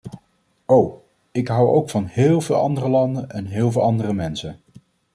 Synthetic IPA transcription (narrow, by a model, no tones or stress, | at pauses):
ow | ɪkɦʌwo̰wkfɑnɦɪːlˠvɪːlˠʔɑ̰ndərəlɑndənʔɛnɦɪːlˠvɪːlˠɑndərəmɛnsən